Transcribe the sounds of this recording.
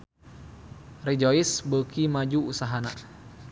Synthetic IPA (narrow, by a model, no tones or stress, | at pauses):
rid͡ʒoisbəkimad͡ʒuusaɦana̰